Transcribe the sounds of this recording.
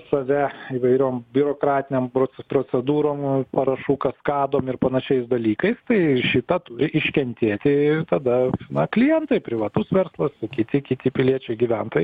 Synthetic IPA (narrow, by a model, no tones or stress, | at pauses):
sɐʋʲɛiːʋɐɪɾʲoːmbʲɪɾoːkɾɑːt̪ʲɪnʲempopɾoːt͡sʲɛd̪uːɾoːmpɐɾɐʃuːkɐskɑːd̪oːmɪrpɐnɐʃʲɛɪsd̪ɐlʲiːkɐɪst̪ɐɪʃʲɪt̪ɐt̪ʊɾʲɪʔɪʃʲkʲɛnʲt̪ʲeːt̪ʲɪt̪ɐd̪ɐnɐklʲɪjɛnt̪ɐɪpʲɾʲɪʋɐt̪ʊsʋʲɛɾslˠɐskʲɪt̪ʲɪkʲɪt̪ʲɪpʲɪlʲiɛt͡ʃʲɛɪɡʲiʋʲɛnt̪ɐ